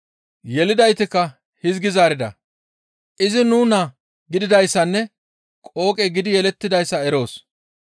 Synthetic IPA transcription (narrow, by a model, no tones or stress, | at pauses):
jɛlɪd̪ɐjt̪ɪkːɐ | hɪzɡɪzaːɾɪd̪ɐ̰ | ʔɪzɪnuːnɐ | ɡɪd̪ɪd̪ɐjsːɐnːɛ | kʼo̞ːkʼɛɡɪd̪ɪjɛlɛt̪ːɪd̪ɐjsːɐɛɾo̞ːs